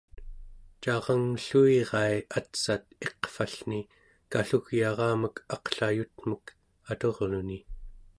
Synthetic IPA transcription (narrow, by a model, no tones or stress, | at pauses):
t͡ʃɑʁɑŋɬuiʁɑiat̪sat̪̚e̞qfaɬni | kaɬuɣjɑʁɑːməkʰɑqɬajut̪mək | at̪o̞ʁluni